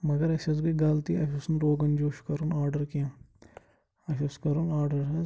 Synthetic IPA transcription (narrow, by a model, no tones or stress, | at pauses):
mɐɡɐɾɐʃɐs̬ɡiɡaːlt̪iɐʃɐsnɾoːɡɐnd͡ʒoːʃkɐɾunaːɾɖɐɾkiɐ̃ | ɐʃɐskɐɾunaːɾɖɐɾɦɐ